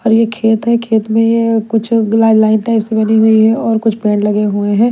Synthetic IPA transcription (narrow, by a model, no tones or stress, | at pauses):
ɔːɾjekʰeːt̪ɦɛkʰeːt̪mẽjekʊt͡ʃʰɡlaɪɖlaːɪ̃nʈaːɪpsebɐniɦuiɦɛɔːɾkʊt͡ʃʰpɛ̃ːɳɖlɐɡeɦueɦɛ̃ː